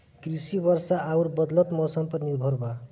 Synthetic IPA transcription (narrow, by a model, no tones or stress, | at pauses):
krisibʌrsaʔauɾbʌd̪lʌt̪mʌsʌmpʌrnibʱʌɾba